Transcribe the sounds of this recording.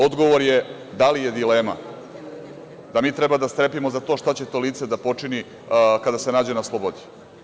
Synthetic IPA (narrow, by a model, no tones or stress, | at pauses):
od̪ɡo̞ʋoɾje | d̪alije̞d̪ile̞ːma̰ | d̪amiːt̪ɾebad̪ast̪ɾe̞pimozat̪o̞ːʃt̪at͡ɕet̪o̞ːliːt̪se̞d̪apo̞t͡ʂini | kad̪ase̞naːd͡ʑenaslˠobod̪i̥